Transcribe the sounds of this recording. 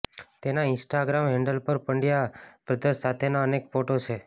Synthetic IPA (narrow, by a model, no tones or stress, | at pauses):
t̪enaɪ̃nsʈaɡɾamɦɛ̃ɳɖəlpəɾpəɳɖjapɾəd̪əsat̪ʰenaənekfoʈot͡ʃʰe